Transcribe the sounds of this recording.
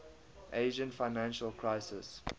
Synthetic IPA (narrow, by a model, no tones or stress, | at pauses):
ʔeɪʒə̃nfaɪnæ̃nʃəlˠkʰɹaɪsɪs